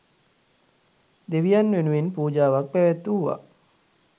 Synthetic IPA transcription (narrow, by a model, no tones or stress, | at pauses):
d̪eʋijanːʋenuʋenpuːd͡ʒaːʋak̚pæʋæt̪ːuʋa̰